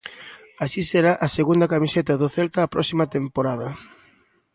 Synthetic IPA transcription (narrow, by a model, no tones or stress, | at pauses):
aʃiseɾaʔɐseɣund̪ɐkamiset̪ɐðʊθɛlt̪aːpɾɔksimɐt̪empoɾaðɐ